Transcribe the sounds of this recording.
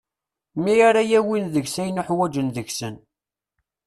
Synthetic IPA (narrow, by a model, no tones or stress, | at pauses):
miaɾajæwinðəʝsæjnʊħwæd͡ʒənðəçsən